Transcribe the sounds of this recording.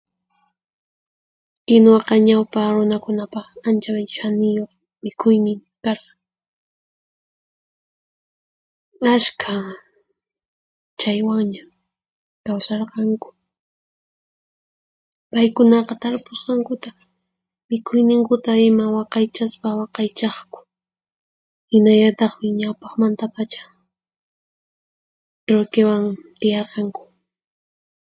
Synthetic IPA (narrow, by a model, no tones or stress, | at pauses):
kɪnwɑqɑɲawpaɾʊnakʊnapɑχant͡ʃamʃanɪjoχ | mɪkʰʊjmɪkɑɾqɑ | askʰa | t͡ʃajwaŋɲa | kawsɑɾqɑŋkʊ̥ | pajkʊnɑqɑt̪aɾpʊsqɑŋkʊt̪a | mɪkʰʊjnɪŋkʊt̪aɪmawɑqɑjt͡ʃaspawɑqɑjt͡ʃɑχkʊ̥ | hɪnaʎat̪ɑχmɪɲawpɑχmant̪apat͡ʃḁ | t̪ɾojkewaŋt̪ɪjɑɾqɑŋkʊ̥